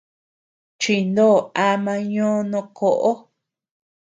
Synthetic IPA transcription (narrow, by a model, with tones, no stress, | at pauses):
t͡ʃi˧˨nd̪o˦˨a˧mã˧ɲõː˦nõ˧kʰo˧ʔo˦